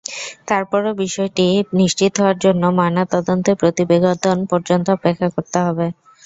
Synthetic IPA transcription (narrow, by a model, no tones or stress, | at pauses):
t̪aɾpɔɾobiʃɔeʈiniʃt͡ɕit̪ɦɔoaɾd͡ʑonːomanat̪ɔd̪ont̪epɾot̪ibeɡod̪onpɔɾd͡ʑont̪oɔpekʰːakoɾt̪eɦɔbe